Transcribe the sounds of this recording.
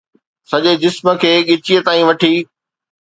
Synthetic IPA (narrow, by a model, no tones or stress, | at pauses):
sɐʄed͡ʑɪsmə̆kʰeːɠɪt͡ɕiət̪aːĩʋɐʈʰiː